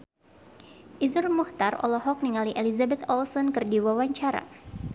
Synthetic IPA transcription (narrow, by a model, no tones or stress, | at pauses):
ʔizʊrmuht̪arɔ̰lɔɦɔk̚niŋaliʔelizabɛt̪ɔlsɔnkɨrdiwawaɲt͡ʃaɾa̰